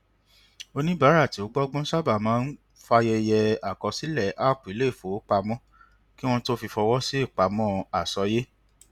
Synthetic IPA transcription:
o˧nĩ˦ba˨˦ɾa˦˨ti˨˦o˦ɡ͡bɔ˦ɡ͡bɔ̃˦sa˦ba˨mãː˨˦n̩˦ | fa˧jɛ˧jɛ˧a˨kɔ˧si˨˦lɛ˦˨ʔa˦˨k͡pi˨˦le˦˨fo˨˦k͡pa˧mɔ̃˦ | ki˦w̃ɔ̃˦to˦fi˧fɔ˧wɔ˦si˦i˦˨k͡pa˨˧mɔ̃˦˧a˨sɔ˧je˦

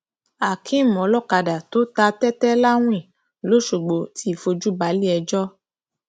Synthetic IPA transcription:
a˨kʰĩ˨˦˨m˨ɔ̃˨˦lɔ˦˨ka˧da˨to˨˦ta˧tɛ˦tɛ˦la˦w̃ĩ˦˨ | lo˨˦ʃo˨ɡ͡bo˨˦ti˦˨fo˧d͡ʒu˦ba˨˦li˦ɛ˧d͡ʒɔ˦

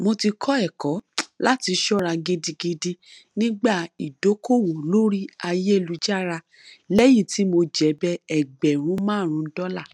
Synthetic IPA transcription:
mo˧ti˧kʰɔ˦ɛ˦˨kɔ˨˦la˦ti˧ʃɔ˦˨ɾa˧ɡe˧di˧ɡe˧di˧ | nĩ˦ɡ͡ba˦˨i˨do˨˦ko˦˨wõ˨lo˦ɾi˦a˧je˦e˦˨lu˧d͡ʒa˦˨ɾa˧ | lɛ˦ji˦˨ti˨˦mo˧d͡ʒɛ˨˦bɛ˦ɛ˨ɡ͡bɛ˨ɾ̃ũ˨˦mãː˦˨ɾ̃ũ˨˧n̩˦dɔ˦la˦˨

